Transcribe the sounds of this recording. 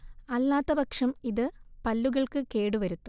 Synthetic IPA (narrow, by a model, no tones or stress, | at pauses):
ɐlːaːt̪ːɐbɐkʂɐmiðɨpɐlːuɣɐɭkɨke̞ːɽuʋɐɾut̪ːu̥